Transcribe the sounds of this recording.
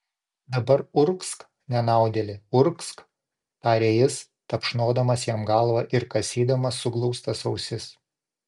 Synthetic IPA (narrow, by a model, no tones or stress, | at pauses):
d̪ɐbɐɾʊɾksk | nʲɛnɑˑʊd̪ʲelʲɪʊɾksk | t̪ɑːɾʲejɪs | t̪ɐpʃnoːd̪ɐmɐsjɛmɡɐˑlˠʋɐʔɪɾkɐsʲiːd̪ɐmɐsʊɡlˠɔʊst̪ɐsɐʊsʲɪs